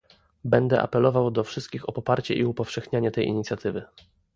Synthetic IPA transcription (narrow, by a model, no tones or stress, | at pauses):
bɛnd̪ɛʔa̰pɛlɔvawd̪ɔfʂɘst̪̚kʲixɔpɔpaɾt͡ɕɛʔiupɔfʂɛxɲaɲɛt̪ɛjʔḭɲit̪sʲjat̪ɘvɘ